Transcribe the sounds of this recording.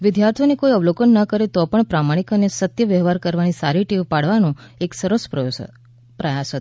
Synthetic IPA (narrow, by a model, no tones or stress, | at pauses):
ʋɪd̪jaɾt̪ʰijonekoiəʋlokənːəkəɾet̪opəɳpɾamaɽ̃ikənesət̪jəʋəɦʋaɾkəɾʋanisaɾiʈiʋpaɽʋanõeksəɾəsp | pɾəjasət̪